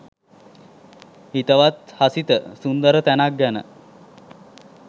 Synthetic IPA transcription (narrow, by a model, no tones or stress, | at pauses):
hit̪əʋat̪hasit̪əsund̪əɾət̪ænak̚ɡanə̰